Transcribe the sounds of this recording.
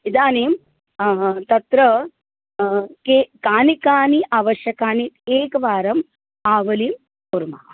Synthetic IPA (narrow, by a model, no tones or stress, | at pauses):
id̪aːniːm | t̪ɐt̪ɾɐ | kekaːnikaːniʔaːʋɐʃjɐkaːnit̪eːkɐʋaːɾɐm | aːʋɐliːm | puɾma̰ː